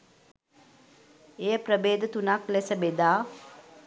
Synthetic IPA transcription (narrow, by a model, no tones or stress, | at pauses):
ejəprəbeːd̪ət̪unaklesəbed̪aː